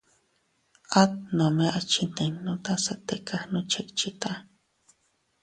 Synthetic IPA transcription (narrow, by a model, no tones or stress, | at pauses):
at̪̚nomeʔat͡ʃint̪enːot̪asat̪ekʰahnot͡ʃekt͡ʃit̪a